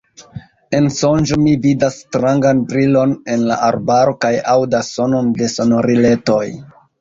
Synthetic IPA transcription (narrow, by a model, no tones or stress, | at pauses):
e̞nso̞nd͡ʒomividasːtɾaŋɡanbɾilo̞ne̞nla̰ʔaɾbaɾo̞kajawdasso̞no̞nde̞so̞no̞ɾile̞to̞j